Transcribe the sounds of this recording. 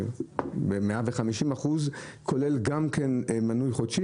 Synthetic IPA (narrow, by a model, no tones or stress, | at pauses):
bemeaveχamiʃimaχuzkʰolelɡamkenmanujχodʃi